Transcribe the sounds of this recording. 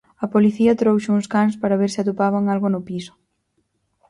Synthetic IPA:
ɐpoliθiɐt̪ɾowʃuŋskanspaɾɐβeɾsɪat̪upaβ̞aŋalɣonʊpisʊ̥

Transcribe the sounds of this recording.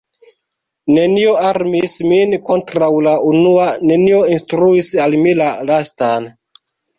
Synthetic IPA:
ne̞nio̞aɾmisminko̞ntɾawlaunuane̞nio̞instɾuisalmilalastan

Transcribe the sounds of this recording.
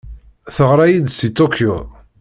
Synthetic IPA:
θəʁɾˤajid̪sit̪okʰjo̰

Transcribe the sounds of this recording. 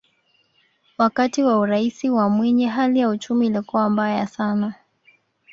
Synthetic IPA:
wakatiwauɾaisiwamwɛɲɛɦalijaut͡ʃumiːlikuwambajasana

